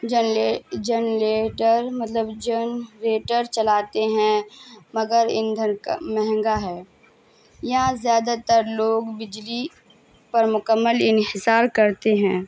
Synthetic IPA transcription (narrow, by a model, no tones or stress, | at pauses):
d͡ʒəed͡ʒənleːʈəɾmɐt̪ləbd͡ʒənɾeːʈəɾt͡ʃɐlaːt̪eɦɛ̃mɐɡəɾɪnd̪ʱənkmɛɦɛ̃ŋɡaɦɛː | jɐɦãzjaːd̪at̪əɾloːɡbɪd͡ʒli | pɐɾmʊkəmːəlɪnhɪsaːɾkɐɾt̪eɦɛ̃ː